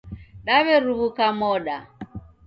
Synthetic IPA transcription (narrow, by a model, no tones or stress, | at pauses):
ɗaβɛɾuβukamɔɗa